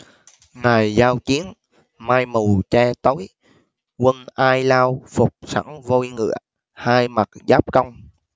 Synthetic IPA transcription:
ŋa˨˩jzaː˧wt͡ɕi˨˦ən | maː˧jmu˨˩wt͡ɕɛː˧t̪o˨˦j | kwə˧nʔaː˧jlaː˧wfʊ˨˩k͡p̚sa̰˧˩ŋvo˧jŋɨ̰˧˨ə | haː˧jma˨˩t̚zaː˦˥p̚kə˧wŋ͡m

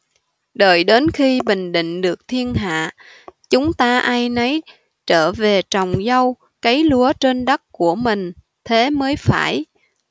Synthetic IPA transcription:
ɗəː˨˩jɗe˨˦nxi˧ɓï˨˩ŋ̟ɗḭ̈˧˨ŋ̟ɗɨ˨˩ək̚t̪ʰi˧ənɦa̰ː˧˨ | t͡ɕʊ˨˦ŋ͡mt̪aː˧ʔaː˧jnə˨˦j | t͡ɕəː˧˩ve˨˩t͡ɕa˨˩wŋ͡mzə˧w | kə˨˦jlu˨˦ət͡ɕe˧nɗə˦˥t̚ku˧˩əmï˨˩ŋ̟ | t̪ʰe˨˦məː˨˦jfaː˧˩j

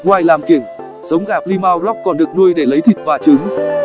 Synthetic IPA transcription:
kwaː˧jlaː˨˩mki˧˩əŋ | z̥ə˨˦wŋ͡mɣaː˧˩p̚li˧maː˧wlɔ˦˥k͡p̚kɔ˨˩nɗɨ˨˩ək̚nu˧əjɗe˧˩lə˨˦jt̪ʰḭ˨˩t̚vaː˨˩t͡ɕɨ˨˦ŋ

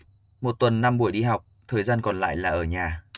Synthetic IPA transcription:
mo˨˩t̚t̪wə˨˩nːa˧mɓu˧˩əjɗi˧ɦa˨˩wk͡p̚t̪ʰəː˨˩jzaː˧nkɔ˨˩nla̰ː˧˨jlaː˨˩ʔəː˧˩ɲaː˨˩

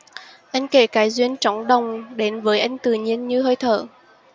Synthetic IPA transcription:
ʔa˧jŋ̟ke˧˩kaː˨˦jzwi˧ənt͡ɕɔ˨˦wŋ͡mɗə˨˩wŋ͡mɗe˨˦nvəː˨˦jʔa˧jŋ̟t̪ɨ̰˨˩ɲi˧ənɲɨ˧ɦəː˧jt̪ʰə̰ː˧˩

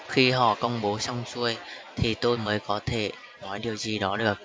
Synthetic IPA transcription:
xi˧ɦɔ̰˧˩˨kə˧wŋ͡mɓo˨˦sɔ˧wŋ͡msu˧əjt̪ʰi˨˩t̪o˧jməː˨˦jkɔ˨˦t̪ʰe˧˩ | nɔ˨˦jɗi˨˩əwzi˨˩ɗɔ˨˦ɗɨ˨ə˩k̚

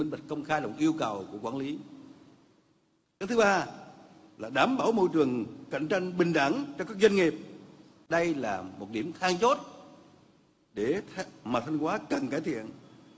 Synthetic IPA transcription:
i˧ŋ̟ɓa̟˨˩kə˧wŋ͡mxaː˧jlə˨˩wŋ͡mʔi˧əwkə˨˩wku˧˩əkwaː˧˦nli˨˦ | kaː˦˥k̚t̪ɨ˨˦ɓaː˧ | laː˨˩ɗaː˨˦mɓaː˧˩wmo˧jt͡ɕɨ˨˩əŋka̰˧˨jŋ̟t͡ɕa˧jŋ̟ɓï˨˩ŋ̟ɗa˧˩nt͡ɕɔ˧kaː˦˥k̚zwə˧ŋi˨˩p̚ | ɗə˧jlaː˨˩mo˨˩t̚ɗi˧˩əmt̪ʰaː˧ŋt͡ɕo˦˥t̚ | ɗe˧˩maː˨˩t̪ʰa˧ŋ̟kwaː˨˦kə˨˩nkaː˧˩jt̪ʰḭ˧˨ən

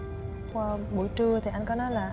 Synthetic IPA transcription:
kwaː˧ɓṵ˧˩jt͡ɕɨ˧ət̪ʰi˨˩ʔa˧ŋ̟kɔ˨˦nɔ˨˦jlaː˨˩

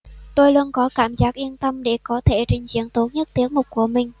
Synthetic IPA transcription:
t̪o˧jlu˧ənkɔ˨˦kaː˧˩mzaː˦˥k̚ʔi˧ənt̪ə˧mɗe˧˩kɔ˨˦t̪ʰe˧˩t͡ɕï˧˩ŋ̟zḭ˨˦əŋt̪o˦˥t̚ɲə˦˥t̚t̪i˨˦əŋ̚mʊ˨˩k͡p̚ku˧˩əmï˨˩ŋ̟

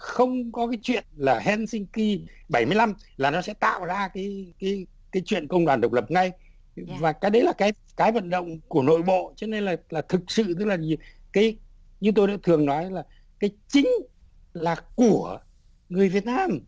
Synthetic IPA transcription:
xə˧wŋ͡mkɔ˨˦kaː˨˦jt͡ɕwḭ˧˨ənlaː˨˩ɦɛ˧nsï˧ŋ̟ki˧ | ɓa˧˩jmɨ˧əjla˧mlaː˨˩nɔ˨˦sɛ̰˧˥t̪a̰ː˧˨wzaː˧kaː˨˦jkaː˨˦j | kaː˨˦jt͡ɕwḭ˧˨ənkə˧wŋ͡mɗwa˧˨˩nɗə˨˩wk͡p̚lə˨˩p̚ŋa˧j | vaː˨˩kaː˨˦ɗə˨˦jlaː˨˩kaː˨˦j | kaː˨˦jvə̰˧˨nɗə̰˧˨wŋ͡mku˧˩əno̰˧˨jɓo̰˧˨t͡ɕɔ˨˦ne˧nlaː˨˩laː˨˩t̪ʰɨ˨˩k̚sɨ̰˧˨t̪ɨ˦˥k̚laː˨˩ɲ˨ | kaː˨˦j | ɲɨ˧t̪o˧ja̰ː˧˥t̪ʰɨ˨˩əŋnɔ˨˦jlaː˨˩ | kaː˨˦jt͡ɕï˨˦ŋ̟ | laː˨˩ku˧˩ə | ŋɨ˨˩əjvi˨˩ət̚naː˧m

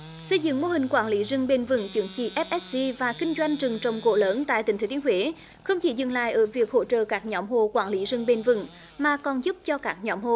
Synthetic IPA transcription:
sə˧jzɨ̰˧˨ŋmo˧hï˨˩ŋ̟kwaː˧˩nli˨˦zɨ˧ŋɓe˧nvɨ̰˧˩ŋt͡ɕɨ˨˦əŋt͡ɕḭ˧˨ʔɛ˦˥p̚ʔɛ˦˥t̚zi˧vaː˨˩kï˧ŋ̟zwa˧jŋ̟t͡ɕɨ˨˩ŋt͡ɕə˨˩wŋ͡mko̰˧˥ləː˨˦nt̪a̰ː˧˨jt̪ï˨˩ŋʰ˨˦t̪i˨˦ŋhwe˨˦ | xə˧wŋ͡mt͡ɕi˧˩˦zɨ̰˧˨ŋla̰ː˧˨jʔəː˧˩vi˨˩ək̚ho̰˧˥t͡ɕə̰ː˧˨kaː˦˥k̚ɲɔ˨˦mɦo˨˩kwaː˧˩nli˨˦zɨ˨˧˩ŋɓe˧nvɨ̰˧˨ŋ | maː˨˩kɔ˨˩nzu˦˥p̚t͡ɕɔ˧kaː˦˥k̚ɲɔ˨˦mho˧˨

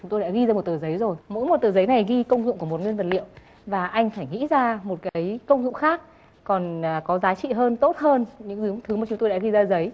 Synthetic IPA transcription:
t͡ɕʊ˨˦ŋ͡mt̪o˧ɗaː˧˥ɣi˧zaː˧mo˨˩t̚t̪ɨː˨˩zə˨˦jzo˨˩jmo̰˧˥jmo˨˩t̚t̪ɨ˨˩zə˨˦jna˨˩jɣi˧kə˧wŋ͡mzʊ̰˧˨ŋ͡mku˧˩əmo˨˩t̚ŋwi˧nvə˨˩t̚lḭ˧˨əw | vaː˨˩ʔa˧jŋ̟faː˧˩jŋḭ˧˥zaː˧mo˨˩t̚kaː˨˦jkə˧wŋ͡mzʊ̰˧˨ŋ͡mxaː˦˥k̚ | kɔ˨˩nː˨˩kɔ˨˦zaː˨˦t͡ɕḭ˧˨ɦəː˧nt̪o˦˥t̚həː˧nɲɨ̰˧˥ŋzɨ˨˦əŋt̪ʰɨ˨˦maː˨˩t͡ɕʊ˨˦ŋ͡mt̪o˧jɗa̰ː˧˥ɣi˧zaː˧˩zə˨˦j

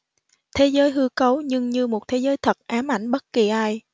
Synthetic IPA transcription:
t̪ʰe˨˦zəː˨˦jɦɨ˧kə˨˦wɲɨ˧ŋɲɨ˧mo˨˩t̚t̪ʰe˨˦zəː˨˦jt̪ʰə˨˩t̚ʔaː˨˦mʔa̰˧˩jŋ̟ɓə˦˥t̚ki˨˩ʔaː˧j

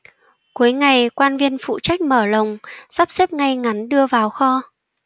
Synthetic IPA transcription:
ku˨˦əjŋa˨˩jkwaː˧nvi˧ənfṵ˧˨t͡ɕa˦˥jk̟̚məː˧˩lə˨˩wŋ͡mz̥aː˦˥p̚se˦˥p̚ŋa˧jŋa˨˦nɗɨ˧əvaː˨˩wxɔ˧

